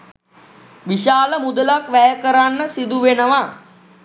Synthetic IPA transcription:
ʋiʃaːləmud̪əlakʋæjəkəɾanːəsid̪uʋenəʋa

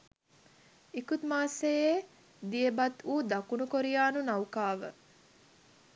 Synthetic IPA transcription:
ikut̪maːseje | d̪ijebɐt̪uːd̪akunukoɾijaːnunɐwkaːʋə

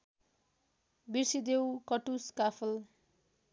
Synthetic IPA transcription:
birsid̪ewkʌʈuskapʰʌl

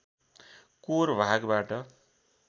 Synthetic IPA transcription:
koɾbʱaɡbaʈʌ

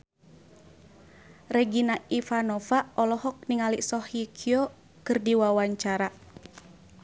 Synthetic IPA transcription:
rɛɡinaifanɔfaɔlɔhɔk̚niŋaliʔsɔhikʰiɔ | kɨrdiwawaɲt͡ʃaɾa

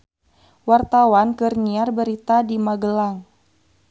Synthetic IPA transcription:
wart̪awankɨrniarbəɾit̪adimaɡəlaŋ

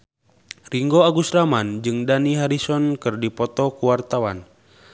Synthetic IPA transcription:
riŋɡoaɡusɾamand͡ʒɨŋdaniɦaɾisɔnkɨrdipɔt̪ɔkuwart̪awa̰n

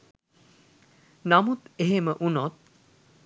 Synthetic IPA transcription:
namut̪eɦeməʔunot̪̚

